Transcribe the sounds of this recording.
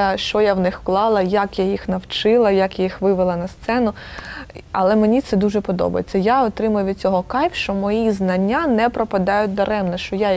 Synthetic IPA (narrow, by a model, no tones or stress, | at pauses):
ʃt͡ʃɔjawnɪxklˠɑlˠɐjakjajixnɐwt͡ʃɪlˠɐjakjixʋɪʋɪlˠɐnɐst̪sɛnʊ | ɐlˠɛmenʲit̪sɛd̪uʒɛpɔd̪ɔ̰bɐ̰jet͡sʲːɐjaɔt̪ɾɪmʊjʊʋʲid̪̚ʲt͡sʲɔɦɔkɑjfʃt͡ʃɔmɔjiznɐnʲːanɛpɾɔpɐd̪ɑjʊt̚ʲd̪ɐɾɛmnɐʃt͡ʃɔja